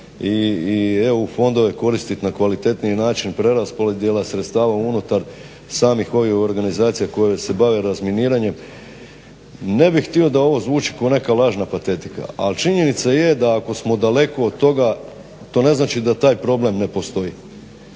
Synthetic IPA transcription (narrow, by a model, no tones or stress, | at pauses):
ieofo̞nd̪o̞ʋe̞ko̞ɾist̪it̪nakʋalit̪e̞t̪niinaːt͡ʃinpɾe̞ɾaspoled̪jelasɾet̪st̪aːʋaunut̪aɾ | saːmixo̞ʋixo̞ɾɡanizaːt̪sijako̞jese̞baʋe̞ɾazminiːɾaɲe̞m | ne̞bixt̪io̞d̪ao̞ʋo̞zʋuːt͡ʃi̥kaone̞kalˠaːʒnapat̪e̞t̪i̥ka̰a̰lt͡ʃiɲe̞nit̪saje̞d̪aːko̞smo̞d̪ale̞ko̞ːd̪̚t̪o̞ɡa | t̪o̞ːne̞znaːt͡ʃid̪at̪aːjpɾo̞ble̞mne̞po̞st̪o̞ji